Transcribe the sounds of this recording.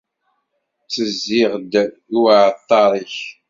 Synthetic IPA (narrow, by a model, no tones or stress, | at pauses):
t͡sːəzːɪʁd̪ | uʕt̪ˤːɑɾˤiç